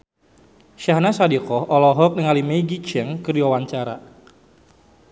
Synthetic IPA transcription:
ʃahnasadikɔhɔlɔɦɔk̚nəŋalimeiɡit͡ʃɛŋkərdiwawaɲt͡ʃaɾa̰

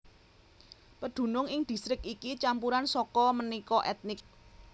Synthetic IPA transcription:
pəɖ̪̥ṳnʊŋɪŋd̪̥i̤st̪ɾɪkikit͡ʃampuɾansɔkɔmənikɔʔɛt̪̚nɪk̚

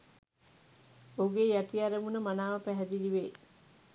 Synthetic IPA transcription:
oɡeːjaʈiaɾəmunəmanaːʋəpæɦɛd̪iliʋeː

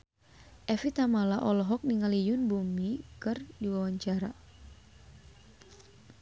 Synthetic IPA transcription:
ʔɛfit̪amalaʔɔlɔɦɔk̚niŋalijʊnbumikɨrdiwawaɲt͡ʃaɾa

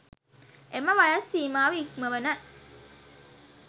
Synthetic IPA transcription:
ʔeməʋajɐsːiːmaːʋiikməʋənə

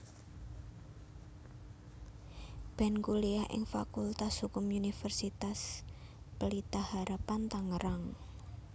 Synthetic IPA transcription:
b̥ɛnkuliaʔɪ̰ŋfa̰kult̪ashukʊmunifərsit̪as | pəlit̪ahaɾapant̪aŋəɾaŋ

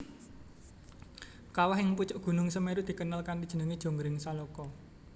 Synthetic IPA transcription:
kawaɦɪŋput͡ʃʊʔɡ̥ṳnʊŋsəmeɾud̪̥i̤kənalkantid̥ʒ̥ə̤nəŋid̥ʒ̥o̤ŋɡɾɪŋsalɔkɔ

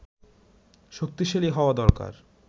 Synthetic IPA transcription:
ʃok̚t̪iʃeliɦɔoad̪ɔɾka̰ɾ

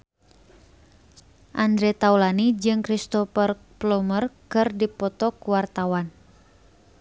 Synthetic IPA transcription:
ʔand̪ɾɛt̪aulanid͡ʒɨŋkɾist̪ɔfər | plɔmərkɨrdipɔt̪ɔkuwart̪awan

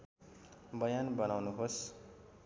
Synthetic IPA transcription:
bʌjanbʌnawnuɦos

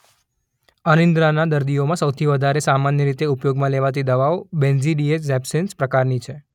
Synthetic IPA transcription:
anənd̪ɾanad̪əɾd̪iomãsəwt̪ʰiʋəd̪ʱaɾesamanjəɾit̪eupjoɡmãleʋat̪id̪əʋaobɛnziɖieszɛbsenspɾəkaɾnit͡ʃʰe

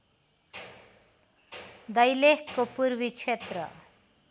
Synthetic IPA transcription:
d̪ʌjlekkopurbit͡sʰet̪rʌ̰

